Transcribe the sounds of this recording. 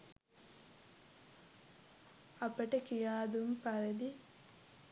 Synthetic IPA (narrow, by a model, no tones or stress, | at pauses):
ɐpɐʈekijaːd̪umpɐɾɐd̪i